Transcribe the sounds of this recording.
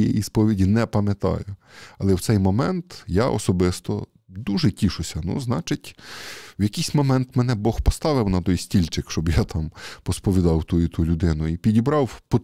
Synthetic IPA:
ɛ̰ispɔʋʲidʲinɛpɐmʲɐt̪ɑ̰jʊɐlˠɛwt̪sɛjmɔmɛnt̪jaʔɔ̰sɔbɪst̪ɔ̰ | d̪uʒɛtʲiʃʊsʲɐnṵznɑt͡ʃɪtʲwjɐkijsʲmɔmɛnt̪mɛnɛbɔxpɔst̪ɑʋɪwnɐt̪ɔjsʲtʲilʲt͡ʃɪkʃt͡ʃɔbjat̪ʰɑmpɔspɔʋʲid̪ɑwt̪ujit̪ulʲʊd̪ɪnʊipʲidʲibɾɑwpɔ

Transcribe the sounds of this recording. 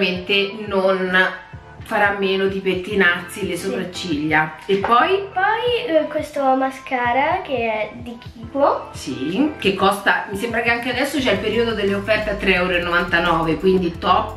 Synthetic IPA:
ment̪enon | faɾamːeːnod̪ipet̪ːinarsilesopɾat͡ʃːiʎːaepːɔjpɔjkwest̪oamaskaːɾakeɛd̪ik̟iːposḭk̟ekːɔst̪amisembɾakeaŋkead̪ɛsːot͡ʃɛilpeɾiːod̪od̪elːeofːɛrt̪eat̪ːɾeɛwɾenːovant̪anɔːvekwind̪it̪ɔpː

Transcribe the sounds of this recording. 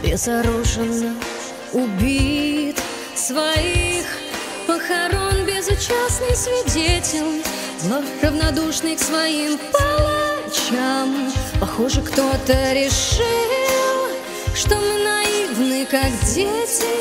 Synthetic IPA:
bʲɪzɐɾuʐɨnːə | ʊbʲit̪ | svɐix | pəxɐɾo̞nbʲɪzʊt͡ɕasnɨjsvʲɪdʲetʲɪlʲ | zlˠafrəvnɐd̪uʂnɨjksvɐimpɐlˠat͡ɕampɐxoʐɨkt̪o̞t̪əɾʲɪʂɨlˠ | ʂt̪o̞mɨnɐivnɨkakdʲetʲɪ

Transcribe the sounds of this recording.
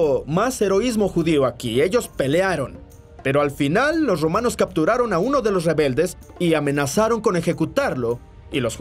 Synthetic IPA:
mase̞ɾo̞izmo̞xuðioakḭe̞ʝo̞spe̞leaɾo̞n | pe̞ɾo̞alfinalːo̞s̬ro̞mano̞skap̚t̪uɾaɾo̞nauno̞ðe̞lo̞s̬re̞βe̞ld̪e̞s | iamẽ̞nasaɾo̞ŋko̞ne̞xe̞kut̪aɾlo̞ | ilo̞s

